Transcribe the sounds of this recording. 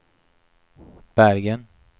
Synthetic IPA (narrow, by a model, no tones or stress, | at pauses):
b̥æɾɡən